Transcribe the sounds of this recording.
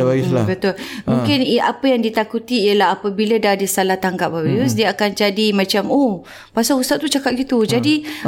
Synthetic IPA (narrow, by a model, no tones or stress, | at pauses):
baislabət̪ʊlmũŋkɪnapəjaŋdit̪akut̪iːəlaɦapəbilədadisalaht̪aŋɡap̚awijusdiəakand͡ʒadimãt͡ʃamoh | pasahust̪at̪ːut͡ʃakat̪̚ɡit̪ud͡ʒadi